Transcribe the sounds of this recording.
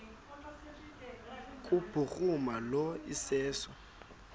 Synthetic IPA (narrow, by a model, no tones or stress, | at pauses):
kʼub̥ʱuxumalɔisɛːsɔ